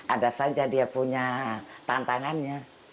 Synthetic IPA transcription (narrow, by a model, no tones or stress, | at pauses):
ʔadasad͡ʒadiapuɲat̪ant̪aŋanɲa